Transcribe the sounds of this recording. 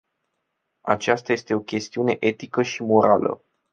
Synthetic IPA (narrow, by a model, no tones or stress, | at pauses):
a̰t͡ʃast̪aje̞st̪e̞o̞kʲe̞st̪iune̞ʔe̞t̪ikəʃimo̞ɾalə̰